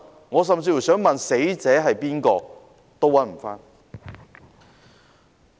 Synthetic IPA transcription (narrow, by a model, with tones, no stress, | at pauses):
ŋɔː˨˧s̬ɐ˨mt͡siː˧fsœː˨˥ŋmɐ˨nse˨˥jt͡sɛː˨˥ɦɐ˨jpiː˥nkɔː˧ | t̪o˥wːɐ˨˥nm̩˨˩faː˥n